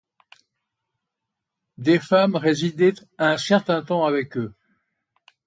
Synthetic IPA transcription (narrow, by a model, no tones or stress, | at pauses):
d̪efamʁezid̪e | aɛ̃sɛʁt̪ɛ̃t̪ɑ̃avɛkø